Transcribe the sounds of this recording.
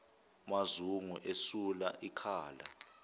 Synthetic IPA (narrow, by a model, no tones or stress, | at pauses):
mazuŋuʔesulaʔikʰaːla̰